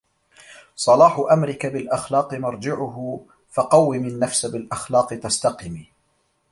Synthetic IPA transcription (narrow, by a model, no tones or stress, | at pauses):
sˤɑlɑːħʊʔamɾɪkabɪlʔaxlɑːqɨmɑɾˤd͡ʒɪʕʊɦʊ | fɑqɑwːɪmɪnːafsabɪlʔaxlɑːqɨt̪ast̪ɑqɪmiː